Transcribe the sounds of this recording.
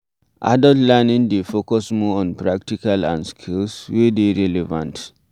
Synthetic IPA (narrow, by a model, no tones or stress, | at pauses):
ʔa̰dɔtlɛnĩndefokɔsmɔɔ̃npɹak̚tikalã̰nskʰilswedeɹɛlɛvã̰nt